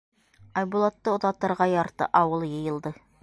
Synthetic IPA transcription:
ɑjbulˠɑt̪ːɤŏt̪ɑt̪ːɑɾʁɑjɑɾt̪ɤ̰ʔɑwɤlˠjɤ̆jɤ̆lˠd̪ɤ

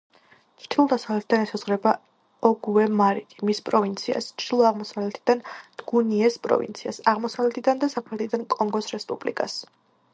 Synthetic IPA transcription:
t͡ʃʰt̪ʰilˠd̪asavlɛt̪ʰid̪anɛsazʁɾɛba | ɔɡuɛmaɾik̪ʼimispʼɾɔvint̪sʰia̰st͡ʃʰd̪̥ilˠɔaʁmɔsavlɛt̪ʰid̪and̪̥ɡuniɛspʼɾɔ̰vḭnt̪sʰia̰saʁmɔsavlɛt̪ʰid̪and̪asapʰɛt̪ʰid̪ankʼɔŋɡɔsɾɛspʼublḭkʼa̰s

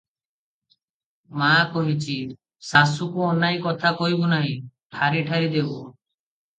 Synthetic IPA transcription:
makɔɦit͡ʃʰi | sasukuɔnajkɔt̪ʰakɔɦibunaɦĩʈʰaɾiʈʰaɾid̪ebu

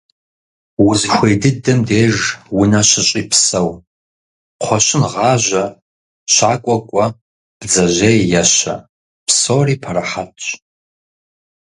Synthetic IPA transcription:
wʊzxʷejdɨdɐmdeːʒwʊnɐɕɪɕʼipʰsɐw | qʷʰɔɕɪnʁɑːʒʷɐ | ɕaːkʷʼɔkʷʼɔ | b̥d͡zɐʑejjɐʃɐ̰ | pʰsoːriːpʰɐɾɐħatʼ

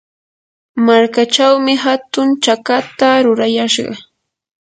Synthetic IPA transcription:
maɾkat͡ʃawmɪɦat̪ʊnt͡ʃakat̪aɾʊɾajaʃɢɑ̰

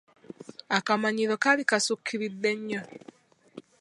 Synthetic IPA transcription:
akamaɲilokalikasukʰːiɾidːeɲːa

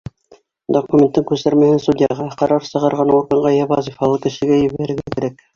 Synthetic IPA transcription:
d̪okumʲent̪ːɘŋkʉsæɾmæhɘnst̪ud̪ʲjɑʁɑqɑɾɑɾsɤ̆ʁɑ̆ɾʁɑnuɾɡɑ̆ɴʁɑjɑβɑzifɑlˠɤkɘ̆ʃɘ̆ɡæjɘ̆βæɾɘ̆ɾɡækɘ̆ɾæk

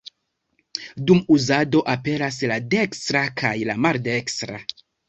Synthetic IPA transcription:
dumuzado̞ʔape̞ɾaslade̞kstɾakʰajlamaɾde̞kstɾa

